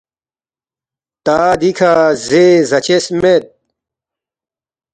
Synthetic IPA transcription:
t̪aːd̪ikʰaːzezɐt͡ɕesmet̪̚

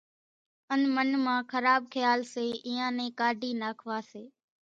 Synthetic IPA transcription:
ənmənmãːkʰəɾaːb̚kʰəjaːlseːʔɪːãːnẽːkaːɖʱiːnaːkʰʋaːseː

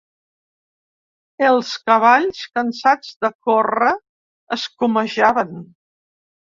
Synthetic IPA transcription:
əlˠskəβ̞aʎskənsad͡zðəkorə | əskuməʒaβən

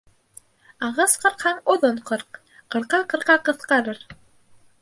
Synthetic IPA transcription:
ɑʁɑsqɤ̆ɾqhɑɴoðoɴqɤɾq | qɤ̆ɾqɑqɤ̆ɾqɑqɤ̆θqɑɾɤɾ

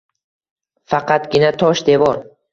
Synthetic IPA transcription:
fɑqʰɑt̪ɡʲɪnat̪ʰɒʃd̪e̞vɒɾ

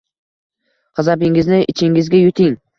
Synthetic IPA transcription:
qɑzabɪŋɪznɪʔɪt͡ʃʰɪŋɪzɡʲajʊt̪ʰɪŋ

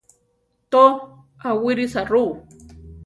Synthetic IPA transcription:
t̪o | awiɾisaɾu

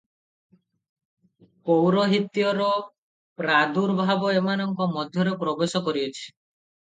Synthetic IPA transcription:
powɾɔɦit̪jɔɾɔ | pɾad̪uɾbʱabɔemanɔŋkɔmɔd̪ʱjɔɾepɾɔbesɔkɔɾiɔt͡ʃʰi̥

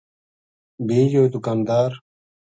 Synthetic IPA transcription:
biːd͡ʒoːt̪ukaːnd̪aːɾ

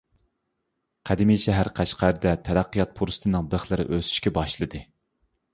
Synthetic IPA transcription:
qʰæd̪ɪmijʃɛɦæɾqʰæʃqæɾd̪ɛt̪ʰæɾæqːijɑt̪̚pʰuɾsɨ̥t̪ʰɨnɨŋd̪əχlˠɨɾɪ̰ʔøsy̥ʃkʲɛbɑʃlˠɨd̪ɨ

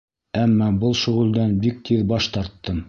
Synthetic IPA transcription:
æmːɑbɤlˠʃɵ̆ʁɘ̆ld̪ænbik̚t̪ʰiðbɑʃt̪ɑɾt̪ːɤm

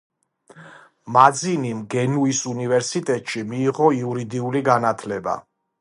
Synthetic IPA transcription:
mad̪zinimɡɛnuisunivɛɾsit̪ʼɛt̪ʼʃimiːʁɔiuɾid̪iuliɡanat̪ʰlɛba̰

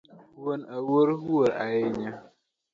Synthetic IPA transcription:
huwonawoɾhuwəɾajeɲa

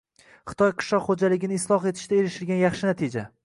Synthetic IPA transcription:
χɨ̥t̪ʰɒjqʰɨ̥ʃlɒqχod͡ʒalɪɡʲɪnɪːslˠɒχe̞t̪ʰɪ̥ʃt̪ae̞ɾɪʃɪɾɡʲanjɑχʃɪnat̪ʰɪd͡ʒa

